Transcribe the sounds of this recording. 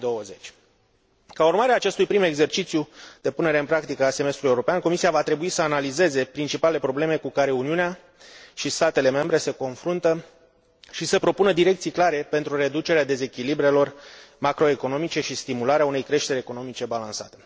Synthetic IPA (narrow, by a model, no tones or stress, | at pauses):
d̪o̞əze̞t͡ʃʲ | kaurmaɾeaːt͡ʃe̞st̪ujpɾime̞ɡze̞rt͡ʃit̪sjud̪̥e̞pune̞ɾe̞ɨnpɾakt̪ikəase̞me̞st̪ɾulujeuɾo̞peanko̞misiavat̪ɾe̞buisəanalize̞ze̞pɾint͡ʃipale̞pɾo̞ble̞me̞kukaɾe̞uniunea | ʃist̪at̪e̞le̞me̞mbɾe̞se̞ko̞nfɾunt̪ə | ʃisəpɾo̞punəd̪iɾe̞kt̪sijklaɾe̞pe̞nt̪ɾure̞d̪ut͡ʃe̞ɾead̪e̞ze̞kʲilibɾe̞lo̞rmakɾo̞e̞ko̞no̞mit͡ʃe̞ʃist̪imulaɾeaune̞jkɾe̞ʃt̪e̞ɾeeko̞no̞mit͡ʃe̞balansa̰t̪e̥